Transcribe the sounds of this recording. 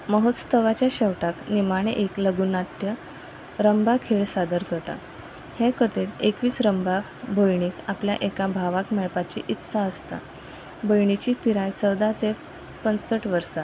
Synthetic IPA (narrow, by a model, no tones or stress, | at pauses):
məɦot̪st̪əʋat͡ɕjaɕɛʋʈaknimaɽ̃eʔekləɡunat̪jə | ɾəmbakʰeɭsad̪əɾkət̪a̰ | hẽkət̪eʈ̪ekʋiːsɾəmba | bʱəjɳ̃iːkaplja̰ʔekabʱaʋakmeɭpat͡ɕḭʔit̪ːsaəst̪a̰ | bʱəjɳ̃it͡ɕiːpiɾajt͡səwd̪at̪e | pənsəʈʋəɾsa